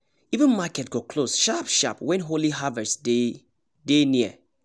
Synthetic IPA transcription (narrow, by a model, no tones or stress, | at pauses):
ivə̃nmakɛtɡɔkʰlosʃapʃa̰pwɛ̃nɦoliɦavɛtsde | deniə̰